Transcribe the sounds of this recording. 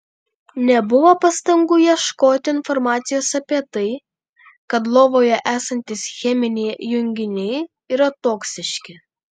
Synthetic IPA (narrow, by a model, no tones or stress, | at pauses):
nʲɛbʊʋoːpɐst̪ɐŋɡʊjiɛʃkoːt̪ʲɪɪnfɔɾmɑːt̪sʲɪjoːsɐpʲiɛt̪ɐɪ | kɐt̪̬lˠoːʋoːjɛʔæːsɐnʲt̪ʲɪsxʲɛmʲɪnʲɛɪjʊŋʲɡʲɪnʲɛɪ | iːɾɐt̪oːksʲɪʃʲkʲɪ